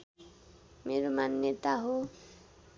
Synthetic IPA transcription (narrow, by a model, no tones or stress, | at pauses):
meɾumanːet̪aɦu